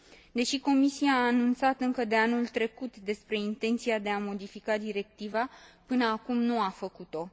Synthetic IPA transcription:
d̪e̞ʃiko̞misiaːnunt̪sat̪ɨŋkəd̪e̞anult̪ɾe̞kut̪d̪e̞spɾe̞int̪e̞nt̪siad̪e̞amo̞d̪ifikad̪iɾe̞k̚t̪ivapɨnəakumnuafəkut̪o̞

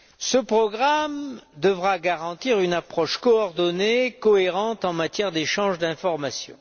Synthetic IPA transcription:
səpχɔɡʁamd̪əvʁaɡaʁɑ̃t̪iʁynapχɔʃkɔɔʁd̪ɔnekɔeʁɑ̃t̪ɑ̃mat̪jɛʁd̪eʃɑ̃ʒd̪ɛ̃fɔʁmasjɔ̰̃

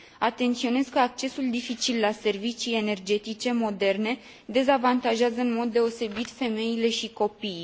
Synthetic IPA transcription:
at̪e̞nt̪sio̞ne̞zkəak̚t͡ʃe̞suld̪ifit͡ʃilːase̞rvit͡ʃije̞ne̞rd͡ʒe̞t̪it͡ʃe̞mo̞d̪e̞rne̞ | d̪e̞zavant̪aʒeazəɨnmo̞d̪ːe̞o̞se̞bit̪fe̞me̞jile̞ʃiko̞pi

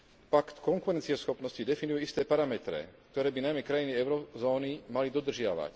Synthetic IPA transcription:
pakt̪kɔŋkuɾɛnt͡siɛsxɔpnɔscid̪ɛfinujɛist̪ɛːpaɾamɛt̪ɾɛ̰k̚t̪ɔɾɛːbinajmɛkɾajiniɛʊɾɔzɔːnimalid̪ɔd̪r̩ʒɪaʋa̰c

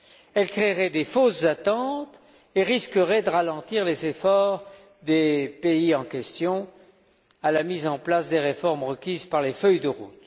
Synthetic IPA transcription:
ɛlkχeʁɛd̪efoszat̪ɑ̃t̪ | eʁiskəʁɛd̪əʁalɑ̃t̪iʁlezefɔʁ | d̪epeiɑ̃kʲɛst̪jɔ̃ | alamizɑ̃plasd̪eʁefɔʁmʁəkʲizpaʁlefœjd̪əʁṵt̪

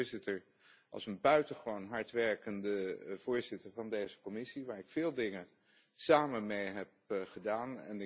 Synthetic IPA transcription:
ɹzɪtəɹ | ʔɑ̰lˠsənbœɥtəχəʋonɦɑɹtʋɛɹkəndəv̥ʊːɹzɪtəɹvɑndejzə̥kɔmɪsiʋaːɹɪkfɪːlˠdɪŋə | saːmənmejɦɛp̚χədaːnɛ̰n

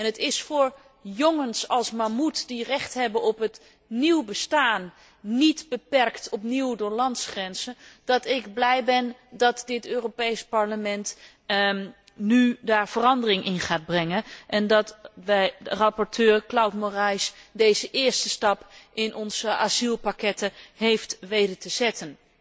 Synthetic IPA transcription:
ɛnətɪsfʊːɹ | joŋənsɑlˠsmamutdirɛχtɦɛbənɔpɦət | niwbəstaːnː | itbəpɛrktɔpniwdʊːɹlɑntsχrɛnz̥ənd̥ɑtɪɡblɛjbɛndɑtdɪtøːropejspɑɹləmɛnt | nydaːɹv̥ərɑndərɪŋʔɪnχaːd̚brɛŋənʔɛndɑtʋɛjərɑpɔɹtʰøːɹklawtmorɛjsdejzəʔɪːɹstəstɑpʔɪnʔɔnz̥əʔazilˠpakɛtəɦejftʋejdətəz̥ɛtən

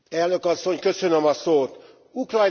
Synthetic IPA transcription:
ɛlnø̞kɒsːo̞ɲkø̞sønømɒsoːt̪ | ukrɒj̪

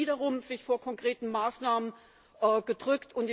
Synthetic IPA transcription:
iːɾɐʁʊmzɪçfoːɐkʰɔŋkʁ̥eːtn̩maːsnaːmən | ʔɛːɡ̥ədʁʏktʰʊntɪ

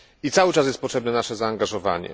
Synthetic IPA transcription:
it̪sawɘt͡ʂasjɛst̪pɔtʂɛbnɛnaʂɛzaːŋɡaʐɔva̰ɲɛ̰

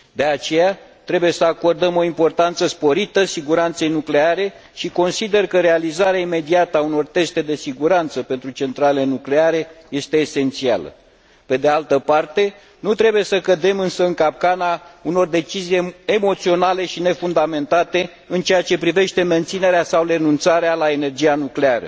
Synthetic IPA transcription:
d̪e̞at͡ʃe̞jat̪ɾe̞buje̞səako̞rd̪əmo̞impo̞rt̪ant̪səspo̞ɾit̪əsiɡuɾant̪se̞jnukle̞aɾe̞ | ʃiko̞nsid̪e̞rkəɾe̞alizaɾeaime̞d̪iat̪auno̞rt̪e̞st̪e̞d̪e̞siɡuɾant̪səpe̞nt̪ɾut͡ʃe̞nt̪ɾalelenukle̞aɾe̞je̞st̪e̞ːse̞nt̪sia̰lə̰ | pe̞d̪e̞alt̪əpart̪e̞ | nut̪ɾe̞buje̞səkəd̪e̞mɨnsəɨŋkap̚kanauno̞rd̪e̞t͡ʃizije̞mo̞t̪sio̞nale̞ʃine̞fund̪ame̞nt̪at̪e̞ | ɨnt͡ʃejat͡ʃe̞pɾive̞ʃt̪e̞me̞nt̪sine̞ɾeasawɾe̞nunt̪saɾealae̞ne̞rd͡ʒijanukle̞aɾə̰

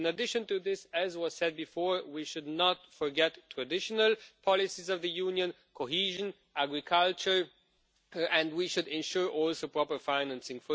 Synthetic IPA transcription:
nədɪʃɨ̃ntɨðɪsɨzwʌz̥sɛd̚bɨfɔɹwiʃʊdⁿnətfə˞ɡɛtʰːɹ̥ɨdɪʃənəlˠpʰɑlɪsizʌvðɨjũnjə̃n | kʰoɦiʒə̃n | ʔæɡɹɪkʰʌlˠt͡ʃə˞ | ɨ̃nwiʃʊdɛ̃nʃuɹʔɔlˠsoʊpʰɹ̥ɔpə˞fãɪnæ̃nsɪ̃ŋfə

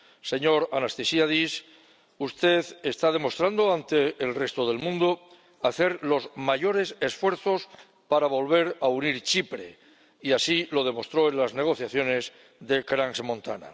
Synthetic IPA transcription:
se̞ɲo̞ɾanast̪esiaðis | ust̪e̞ðest̪aðe̞mo̞st̪ɾand̪oant̪e̞ːlre̞st̪o̞ð̞e̞lmũnd̪o | aθe̞ɾlo̞zmaʝo̞ɾe̞se̞sfwe̞ɾθo̞s | paɾaβo̞lβ̞e̞ɾauniɾt͡ʃipɾe̞̰ | iasilo̞ðe̞mo̞st̪ɾo̞e̞nlazne̞ɣ̞o̞θjaθjo̞ne̞z | ðe̞kɾaŋsmõ̞nt̪a̰na̰

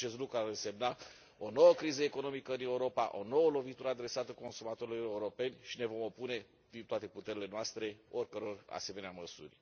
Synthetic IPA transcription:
e̞st̪lukɾuarəse̞mna | o̞no̞wəkɾizəeko̞no̞mikəɨneuɾo̞pa̰ʔo̞no̞wəlo̞vit̪uɾəad̪ɾe̞sat̪əko̞nsumat̪oɾiloe̞uɾo̞pe̞nʲʃinevo̞mo̞pune̞ | d̪int̪oat̪e̞put̪e̞ɾile̞noast̪ɾe̞o̞rʲkəɾo̞ra̰se̞me̞neaməsṵrʲ

